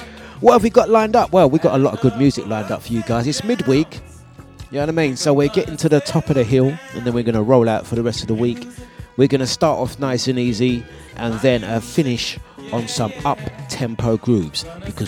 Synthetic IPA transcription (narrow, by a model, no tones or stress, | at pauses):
wɛlˠfwiɡɑʔlãɪ̃ndʌpwɛlˠwiɡɑɾəlɔɾəvɡʊd̚mjʉzɨklãɪ̃ndʌ̰pfə˞jɨɡaɪzɨtsmɪd̚wiˑk | jæwəɾaɨɪmĩnsoʊwɪɹɡɛɾʔɪ̃ntʰʉðətʰɒpʌðɨɦɪlˠɨ̰̃nðɨ̃nwɨə˞ɡʌnəɹoʊlˠaʊtfə˞ðəɹɛstʌvðəwiˑkwɨɹɡʌnɨstɑɹɾɔ̰fnaɪsɨ̃nizi | ʔə̃nðɨ̃nəfɪ̃nɪʃn̩sʌ̃mʌp̚tʰɛ̃mpʰoʊɡɹʉbz̥b̥ɨkʰʌ